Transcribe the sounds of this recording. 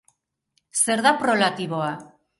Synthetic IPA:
se̞ɾðapɾo̞lat̪iβoa

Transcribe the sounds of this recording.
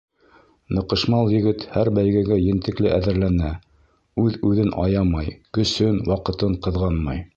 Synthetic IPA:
nɤ̆qɤ̆ʃmɑlˠjɘ̆ɡɘt̪hæɾbæjɡæɡæjɘ̆nt̪ɘ̆klɘʔæðɘ̆ɾlænæ | ʉðʉðɘnʔɑ̰jɑmɑjkɵ̆sɵnwɑqɤ̆t̪ɤɴqɤ̆ðʁɑnmɑj

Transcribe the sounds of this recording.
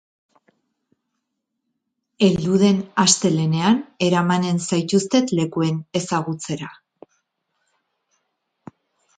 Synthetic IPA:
e̞ld̪uð̞e̞nast̪e̞le̞ne̞ane̞ɾamane̞nsajt̪ust̪e̞t̪le̞kue̞ne̞saɣut͡se̞ɾa

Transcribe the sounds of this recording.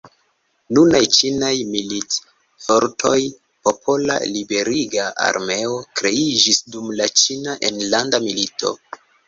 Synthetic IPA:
nunajt͡ʃinajmilit | fo̞ɾtʰo̞j | po̞pʰo̞la̰libe̞ɾiɡaa̰ɾme̞o̞kɾe̞id͡ʒisdumlat͡ʃinaʔe̞nlandamilitʰo̞̰

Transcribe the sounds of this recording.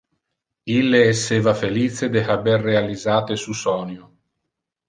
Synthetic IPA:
ilːeɛsːeːvafeliːt̪sed̪ehaberːealizaːt̪esusɔnju

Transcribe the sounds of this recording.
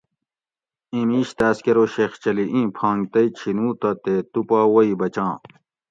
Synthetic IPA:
ĩmiːɕt̪aːskeɾoːɕext͡ɕɐliʔĩːpʰãːŋɡt̪ɐit͡ɕʰinũːt̪ɐt̪et̪upaːwɐibɐt͡ɕãː

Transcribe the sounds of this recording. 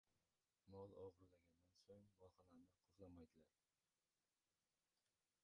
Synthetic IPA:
mɒlˠɒʁɨɾlaɡʲand̪ansoŋbɒlˠχɑlaɾnɪqʰozlˠamajd̪ɪlaɾ

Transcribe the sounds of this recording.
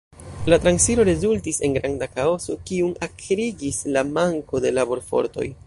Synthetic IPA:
latɾansiɾo̞ɾe̞zultise̞nɡɾandakao̞so̞kiunakɾiɡislamaŋko̞de̞labo̞ɾfo̞̰ɾto̞̰j

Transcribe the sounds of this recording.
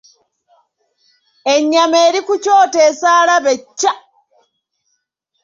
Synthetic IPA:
eɲːameːɾikucoːte̞ːsaːlaβecːa

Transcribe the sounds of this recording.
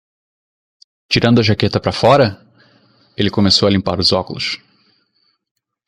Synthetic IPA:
t͡ʃiɾɐ̃nd̪ʊɐʒaket̪ɐpɾɐfɔɾɐ | elɪkomesowɐlĩmpa̰ɾʊzɔkʊlʊ̰s

